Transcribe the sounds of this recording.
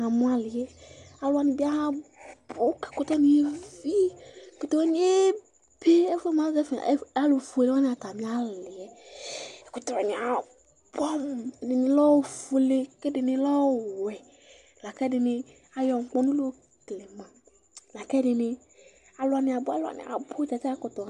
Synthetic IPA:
ã˨mũ˦a˦lɪ˨jɛ˦a˦lʊ˦a˨nĩ˨bi˦a˦ɦã˦bo˦kɛ̥˨ko˦t̪ɔ˦nĩ˨e˦vi˦˨ko˦t̪ɔ˦we˦nĩ˦e˦ | be˦e˦fe˦m˦ã˦zɛ˦fḛ˨˦a˦lo˨fu˦e˨le˦a˦nĩ˦a˨t̪a˨mĩ˨˦a˦lɪ˨ɛ˨ | ko˨t̪ɔ˦a˨nĩ˨a˨ | bɔ˦m˨nɪ˨nɪ̃˨lɔ˦wfu˦le˦ke˦dɪ˨nɪ̃˨lɔ˦˨wɛ˨ | la˨kɛ˦ɖɪ˨nɪ̃˨ | a˨jɔ˨ŋ̩˨k͡pɔ˦nũ˦lo˦o˦ | tle˨mã˨ | la˨kɛ˦ɖɪ˨nɪ̃˨ | a˨lʊ˨˦a˨nɪ̃˨a˨bo˦a̰˨lʊ˦a̰˨nɪ̰˨a̰˨bo˦t͡ʃa˨t͡ʃa˦kʊ˨t̪ɔ˨

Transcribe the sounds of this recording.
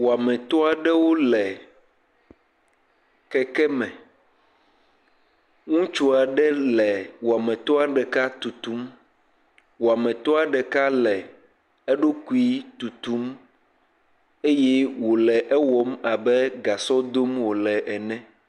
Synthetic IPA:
wo˨a˨mɛ̃˨t̪ɔ˦a˨ɖɛ˦wo˦lɛ˨ | kɛ˨kɛ˦mɛ̃˨ | ŋũ˦t͡ʃu˦a˨ɖɛ˦lɛ˨wo˨a˨mɛ̃˨t̪ɔ˦a˨ɖɛ˨ka˦t̪u˨t̪u˦m | wo˨a˨mɛ̃˨t̪ɔ˦a˨ɖɛ˨ka˦lɛ˨ | ɛ˦ɖo˦ku˦i˦t̪u˨t̪u˦m | e˦jɛ˦wo˨lɛ˨ʔɛ˦wɔ˦ma˨bɛ˦ɡa˨sɔ˦d̪o˦mwo˨lɛ˨ʔɛ˨nɛ̃˦

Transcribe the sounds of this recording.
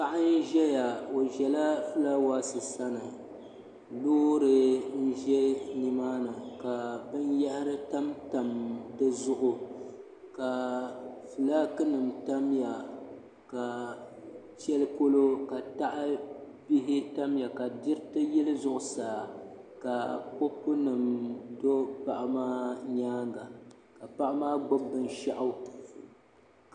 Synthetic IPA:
pa˨ʔa˦n̩˦ʒɛ˦ja˨o˨ʒɛ˨la˦fɨ˦laː˦waː˦sɨ˨sa˦nɨ˨ | loː˦ɾɨ˨n̩˦ʒɛ˦ni˨maː˦nɨ˨ka˨bɨ˦njɛ˦hɪ˦ɾɨ˦ta˦mta˨mdɨ˦zʊ˦ʔʊ˨ | ka˨ | fɨ˨laː˦kɨ˦nɨ˨mta˦mja˨ | ka˨ | t͡ʃɛ˦lɨ˦ko˦lo˦ka˨ta˦ʔɨ˦ | bi˦ɦɪ˦ta˦mja˨ka˨dɪ˦ɾɨ˦tɨ˦jɛ˦lɨ˦zʊ˦ʔʊ˨saː˨ | ka˨ko˦pːʊ˦nɨ˨mdo˦pa˦˨ʔa˦maː˦ɲaː˦ŋɡa˨ | ka˨pa˦ʔa˦maː˦ɡ͡bo˦bːɨ˦n˦ʃa˦ʔa˦w

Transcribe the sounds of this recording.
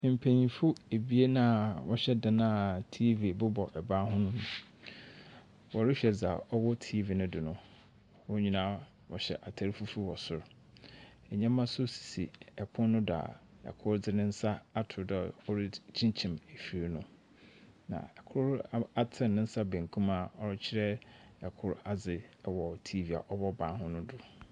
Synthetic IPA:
m̩˨pʰæ̃˨ɲĩ˨fu˦e˨bi˦e˦nã˦˨wɔ˦ɕɛ˦da˨nãː˦˨tʰi˦vi˨bʊ˦bɔ˨ʔɛ˨bã˦ɦʊ̃˦nʊ̃˦nʊ̃˦ | wɔ˨ɾɪ˦ɕᶣɛ˨d͡za˨ɔ˦wɔ˦tʰi˦vi˨nʊ̃˦dɪ˨nʊ̃˦ | wʊ̃˦ɲᶣĩ˦nã˦ | wɔ̰˨ɕɛ̰˨ʔa˨tʰa˨ɾi˦fu˦fu˦wɔ˨sʊ˨ɾ | ɛ˨ɲã˦mã˦sʊ˦si̥˨sḭ˨ɛ˨pʰʊ̃˦nːʊ̃˦dʊ˨a̰˨ | ɛ̰˨kʰʊ˦ɾd͡zɪ˦nɪ̃˦n̩˦sa˦a˨tʰʊ˨da˨ɔ˦ɾɪ˦t͡ɕʰĩ˦n˦t͡ɕʰĩ˨me˨fi˨ɾnʊ̃˦ | nã̰˨ɛ˨kʰʊ˦ɾa˦tʰɪ̃˨nɪ̃˦n̩˦sa˦bæ̃˨ŋ˨kʰũ˦ma˨ɔ˦ɾɪ˦t͡ɕʰɪ˦ɾɛ˦ɛ˨kʰʊ˦ɾa˨d͡zɪ˨wɔ˨tʰi˦vi˨a̰˨ʔɔ˦bɔ˦bãː˨˦hʊ̃˦nʊ̃˦dʊ˨

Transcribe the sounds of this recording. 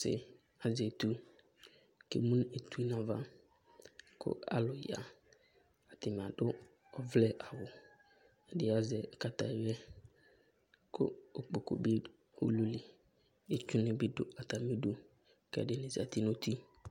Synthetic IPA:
sɪ̰˨ | a˨zɛ˨t̪u˦ | kḛ˨mũ˦ne˨t̪u˦nã˨va˦ | kʰʊ̰˦a̰˦lʊ˨ja̰˨ | a˨t̪ɪ˨m˨a˨dʊ˦ | ɔ˦vlɛ˦ʔa˨wʊ˨ | ɛ˨dɪ˦a˦zɛ˨ka˨ta̰˨jɛ˦ | kʰʊ̰˦˨k͡po˨ko̰˨bi˦ | o̰˦lu˦lɪ˨ | e˦t͡ʃʊ˦nɪ̃˦bɪ˦dʊ˦a˨t̪a˨me˦du˦ | kɛ̰˨dɪ˦nɪ̃˨za̰˨t̪i˦nõ˦t̪ʰi˦

